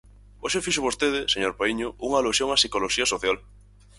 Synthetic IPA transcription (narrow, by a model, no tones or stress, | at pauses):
oʃefiʃʊβost̪eðɪseɲoɾpoiɲʊʔuŋaːlusjoŋasikoloʃiɐsoθjal